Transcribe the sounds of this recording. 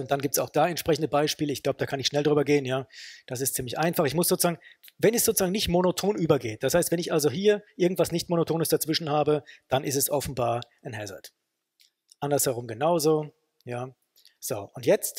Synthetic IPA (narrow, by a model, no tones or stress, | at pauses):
ʊntd̥anɡiːptsaʊxd̥aːɛntʃpʁɛçn̩dəbaɪʃpiːləɪçɡ̥laʊbəd̥aːkʰanɪçʃnɛldʁyːbɐɡeːənjaːd̥as̬ɪstt͡siːmlɪçʔaɪnfaχɪçmʊsz̥oːt͡suz̥aːɡŋvɛnɛsz̥oːt͡suzaːŋnɪçtmonotʰoːnʔyːbɐɡeːt̚d̥ashaɪstv̥ɛnɪçʔalzoɦiːɐʔɪɐɡŋ̩tv̥asnɪçtmonotʰoːnəsd̥at͡sv̥ɪʃn̩haːbəd̥anʔɪstɛsʔɔfn̩baːɐʔanɦɛzɛ̰t | ʔandɐshɛʁ̞ʊmɡənaʊzo | jaː | z̥oːʔʊntjɛt͡st